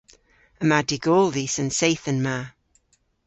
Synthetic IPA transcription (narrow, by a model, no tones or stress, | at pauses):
əmadiɡoːlˠðisənsejθənma